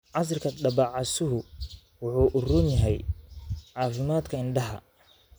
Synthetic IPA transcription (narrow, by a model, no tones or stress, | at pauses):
ʕɑs̬rkʰɐdɐbɑʕɑsʊɦʊ | wʊħuːʔʊrʊnjɐɦɛj | ʕɑːfɪmaːd̪kʰɐɪnɖɐɦɐ̰